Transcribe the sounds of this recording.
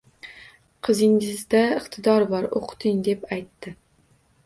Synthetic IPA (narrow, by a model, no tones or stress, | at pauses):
qʰɨzɪŋɪzd̪aɪqt̪ʰɪd̪ɒɾbɒɾo̰qʰt̪ʰɪŋd̪e̞pajt̪ːɪ